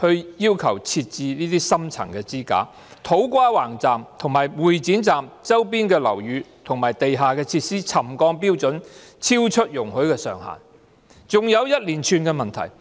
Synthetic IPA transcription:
hɵ˧ɥjiː˥wkʰɐ˨˩wt͡sʰi˧t̚t͡siː˧niː˥t̪iː˥sɐ˥mt͡sʰɐ̰˨˩ŋkɛː˧t͡siː˥ka̰ː˨˥ | t̪ʰo˨˥wkʷaː˥waː˨˩ŋt͡saː˨mt̪ʰʊ˨˩ŋmaː˨jwuː˨˩jt͡siː˨˥nt͡saː˨mt͡sɐ˥wp̬iː˥nkɛː˧lɐ̰˨˩wjyː˨˧t̪ʰʊ˨˩ŋmaː˨˩jt̪e˨jɦaː˨kɛː˧t͡sʰiː˧t̚siː˥t͡sʰɐ˨˩mkɔː˧ŋp̬iː˥wt͡sɵ˨˥n | t͡sʰiː˥wt͡ʃʰɵ˥t̚jʊ˨˩ŋhɵ˨˥ɥkɛː˧sœː˨˩ŋha̰ː˨˩n | t͡sʊ˨ŋjɐ˨˧wjɐ˥t̚liː˨˩nt͡ʃʰyː˧nkɛː˧mɐ˨˩nt̪ʰɐ̰˨˩j

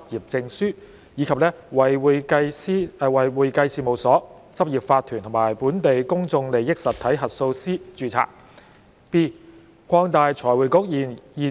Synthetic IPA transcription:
p̚jiː˨˩p̚t͡sɪ˧ŋsyː˥ | jiː˨˧kʰɐ˨p̚lɛː˥wɐ˨˩jwu˨jkɐ˧jsi˥˨˧wɐ˨jwuː˨jkɐ˧jsiː˨˩mo˨˩wsɔː˨˥ | t͡sɐ˥p̚jiː˨˩p̚faː˧t̪ʰːyː˨˩nt̪ʰmaː˨˩jpuː˨˥nt̪e˨jkʊ˥ŋt͡sʊ˧ŋle˨jɪ˥k̚sɐ˨t̪ʰɐ˨˥jɦɐ˨t̚so˧wsiː˥t͡ʃyː˧t͡sʰa̰ː˨k̚ | piː˥ | kʷʰɔː˧ŋt̪aː˨jt͡sʰɔː˨˩jwuː˨˩jkʊ˨˥k̚jiː˨˩njiː˨˩

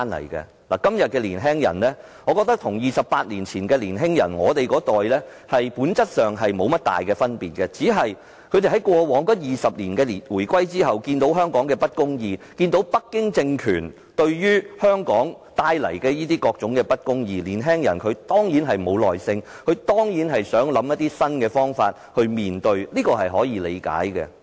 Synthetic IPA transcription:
aː˥nlɐ̰˨˩jkɛ̰ː˧ | la̰ː˨˩kɐ˥mjɐ˨t̚kɛː˧lḭː˨˩nɦɛː˥ŋjɐ̰˨˩nlɛː˥ | ŋɔː˨˧kɔː˧k̚t̪ɐ˥k̚t̪ʰʊ˨˩ŋjiː˨sɐ˨pːaː˧t̚liː˨˩nt͡sʰiː˨˩nkɛː˧liː˨˩nɦɪ˥ŋjɐ̰˨˩nŋɔː˨˧t̪e˨jkɔː˨˥t̪ɔː˨jlɛː˥ | hɐ˨jpuː˨˥nt͡sɐ˥t̚sœː˨ŋɦɐ˨jmo˨˧wmɐ˥t̚t̪a̰ː˨jkɛː˧fɐ˥npiː˨˩t̚kɛ˧t͡siː˨˥ɦɐ˨j | kʰɵ˨˧te˨˩ɦɐ˨˦jkʷɔː˧wɔː˨˧˥ŋkɔ˨˥jiː˨˩sɐ˨p̚liː˨˩nkɛː˧li˨˩nwuː˨˩jkwɐ˥jt͡siː˥ɦɐ˨wkiː˧nt̪o˨˥wɦœː˥ŋkɔː˨˥ŋkɛː˧pɐ˥t̚kʊ˥ŋjiː˧kiː˧nt̪o˨˥wpɐ˥k̚ːɪ˥ŋt͡sɪ˧ŋkʰyː˨˩n | t̪ɵ˧ɥjyː˥hœː˥ŋkɔː˨˥ŋ | t̪aː˧jlɐ̰˨˩jkɛː˧jiː˥t̪iː˥kɔː˧k̚t͡sʊ˨˥ŋkɛː˧pɐ˥t̚kʊ˥ŋjiː˧liː˨˩nɦɛː˥ŋjɐ̰˨˩nkʰɵ˨˧ɥt̪ɔː˥ŋjiː˨˥nɦɐ˨jmo˨˧wlɔ̰ː˨jsɪ˧ŋkʰɵ˨˧ɥt̪ɔː˥ŋjiː˨˥nɦɐ˨jsœː˨˥ŋlɐ˨˥mjɐ˥t̪ːiː˥sɐ˥nkɛː˧fɔː˥ŋfaː˧t̚hɵ˧ɥmiː˨nt̪ɵ˧ɥliː˥kɔː˧ɦɐ˨jɦɔː˨˥jiː˨˧lḛ˨˧jka̰ː˨˥jkɛ̰˧

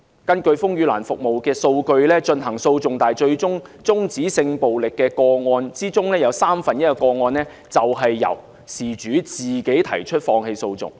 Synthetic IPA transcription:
kɐ˥nkɵ˧ɥfʊ˥ŋjy˨˧la̰ː˨˩nfʊ˨k̚mo˨wkɛː˧so˧wkɵ˧ɥlɛː˥t͡ʃɵ˧nɦɐ˨˩ŋso˧wt͡sʊ˨ŋt̪aː˨jt͡ʃɵ˧ɥt͡sʊ˥ŋt͡sʊ˥ŋt͡siː˨˥sɪ˧ŋpo˨wlɪ˨kːɛː˧kɔː˧ŋɔː˧nt͡siː˥t͡sʊ˥ŋlɛː˥jɐ˨˧wsaː˥mfɐ˨njɐ˥t̚kɔ˧kɔː˧ŋɔː˧nlɛː˥ | t͡sɐ˨wɦɐ˨jːɐ̰˨˩w | siː˨˩t͡ʃyː˨˥t͡siː˨˩ke˨˥jt̪ʰɐ˨˩jt͡ʃʰɵ˥t̚fɔː˧ŋhe˧jso˧wt͡sʊ̰˨˩ŋ

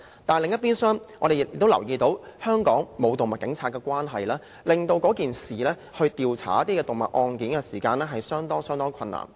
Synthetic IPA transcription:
t̪aː˨lɪ˨˧ŋjɐ˥t̚piː˥nsœː˥ŋʔɔ̰ː˧d̪e˨j̚jɪ˨k̚t̪o˥wlɐ˨˩wjiː˧t̪o˨˥whœː˥ŋkɔː˨˥ŋmo˨˧wt̪o˨ŋmɐ˨t̚kɪ˨˥ŋt͡sʰaː˧t̚kːɛː˧kʷwaː˥nɦɐ˨jlaː˥ | lɪ˨ŋt̪o˧wkɔː˨˥kiː˨nsiː˨lɛː˥ | hɵ˧ɥt̪iː˨wt͡sʰa̰ː˨˩jɐ˥t̪iː˥kɛː˧t̪o˨˩ŋmɐ̰˨t̚ʔɔː˧nkiː˨˥nkɛ˧siː˨˩kaː˧nlɛː˥ɦɐ˨jsœː˥ŋt̪ɔː˥ŋsœː˥ŋt̪ɔː˥ŋkʰɐ˧nːa̰ː˨˩

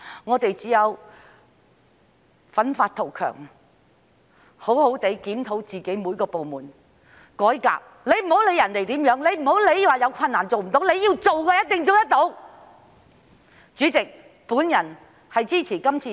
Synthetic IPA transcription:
ŋɔː˨˧t̪e˨jt͡siː˨˥jɐ˨˧w | fɐ˨˥nfaː˧t̪̚ʰo˨˩wkʰœ̰ː˨˩ŋ | ho˨˥who˨˥wt̪e˨˥jkiː˨˥mt̪ʰo˨˥wt͡siː˨˩ke˨˥jmu˨˧jkɔː˧po˨wmuː˨˩n | kɔː˨˥jka̰ː˧k̚ | le˨˧jm̩˨˩ho˨˥wle˨˧jɐ˨˩nle˨˩jt̪iː˨˥mjœː˨˥ŋle˨˧jm̩˨˩ho˨˥wle˨˧jwaː˨˩jɐ˧wkʷʰɐ˧nːaː˨˩nt͡so˨wm̩˨˩t̪o˨˥wle˨˧jiː˧wt͡so˨wkɛː˧jɐ˥t̚t̪ɪ˨ŋt͡so˨˧wt̪ɐ˥t̚t̪o˨˥w | t͡ʃyː˨˥t͡sɪ˨k̚ | puː˨˥njɐ˨˩n | hɐ˨jt͡siː˥t͡sʰiː˨˩kɐ˥mt͡sʰiː˧

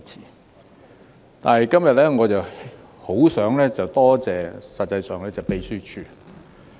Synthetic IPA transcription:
t͡sʰiː˨˩ | t̪a̰ː˨nhɐ˨jkɐ˥mjɐ˨t̚lɛː˥ŋɔː˨˧t͡sɐ˨w | ho˨˥wsœː˨˥ŋlɛː˥t͡sɐ˨wt̪ɔː˥t͡sɛː˨sɐ˨t̚t͡sɐ˧jsœː˨ŋlɛː˥t͡sɐ˨˩wpe˧jsyː˥t͡ʃʰyː˧

